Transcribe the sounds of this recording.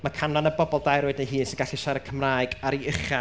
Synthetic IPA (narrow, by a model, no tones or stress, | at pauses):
makʰanlanəbɔbɔlˠdajɾoːɨdnejɦiːnsɪnɡaɬiʃaɾəkʰəmraːjɡaɾiəχa